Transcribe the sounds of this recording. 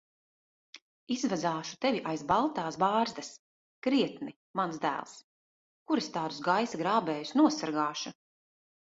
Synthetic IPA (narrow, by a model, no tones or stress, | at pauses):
izvazaːʃu̥t̪ɛvʲiʔajzbalˠt̪aːsbaːɾzd̪ɐs | kɾiɛt̪ni | mansd̪æ̰ːlˠs | kuɾɛst̪aːd̪usɡajsaɡɾaːbɛːjusnuɔsaɾɡaːʃu